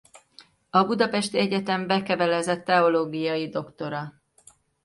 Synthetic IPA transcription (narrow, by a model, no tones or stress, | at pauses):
ɒbud̪ɒpɛʃt̪iɛɟɛt̪ɛɱbɛkɛvɛlɛzɛt̪ːɛo̞loːɡijɒjid̪o̞kt̪o̞ɾɒ